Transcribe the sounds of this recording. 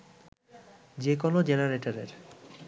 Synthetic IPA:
d͡ʑekonod͡ʑenaɾeʈaɾeɾ

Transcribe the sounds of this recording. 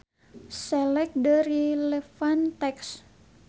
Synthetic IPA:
sɛlɛk̚dəɾilɛfant̪ɛks

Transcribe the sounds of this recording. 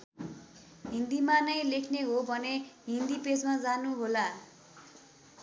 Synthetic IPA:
ɦind̪imanʌjlekʰneɦobʱʌneɦind̪iped͡zmad͡zanuɦola

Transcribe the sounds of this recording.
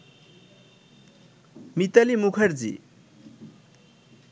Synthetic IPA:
mit̪alimukʰʌɾd͡zḭ

